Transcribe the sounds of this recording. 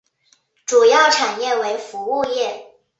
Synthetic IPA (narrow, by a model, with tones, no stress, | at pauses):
ʈ͡ʂu˨˩jɑ˥˩ʊʈ͡ʂʰa˨˩njɛ˥˩we˧˥ɪfu˧˥u˥˧jɛ˥˩